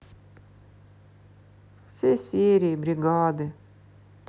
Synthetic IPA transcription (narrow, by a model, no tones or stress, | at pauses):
sesiːɾibɾɪɡɑːd̪ə | p